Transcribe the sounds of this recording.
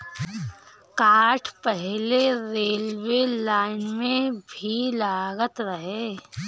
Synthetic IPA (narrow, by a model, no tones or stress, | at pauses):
kaːɾʈʰpɛɦleɾeːlwelaːɪnmẽbʱilaːɡət̪ɾəɦeː